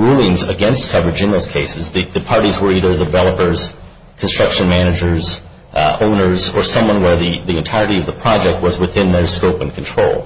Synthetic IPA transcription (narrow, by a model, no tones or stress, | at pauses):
ɹulˠɪ̃ŋzə̰ɡɛ̃nst̚kʰʌvɹɨd͡ʒɨ̃nðoʊz̥kʰeɪsɨzðɨðɨpʰɑɹɾizwə˞iðə˞ðɨvɛlˠəpə˞z̥ | kʰn̩stɹ̥ʌkʃɨ̃nmænɨd͡ʒə˞z | õʊ̃nə˞zə˞sʌ̃mwʌ̃nwə˞ðiðiɨ̃ntʰaɪɹəɾiʌvðəpʰɹ̥ɑd͡ʒɛk̚t̚wʌzwɨθɪ̃nðə˞skoʊpɨ̃nkʰn̩tʰɹ̥oʊlˠ